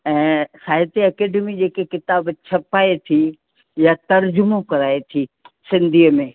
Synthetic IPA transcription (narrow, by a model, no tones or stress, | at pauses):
ɛ̃ːsaːɦɪt̪iɐkeːɖemid͡ʑeːkekɪt̪aːbt͡ɕʰɐpaːet̪ʰi | jat̪ɐɾd͡ʑʊmokɐɾaːet̪ʰi | sɪ̃nd̪ʱiːəmẽː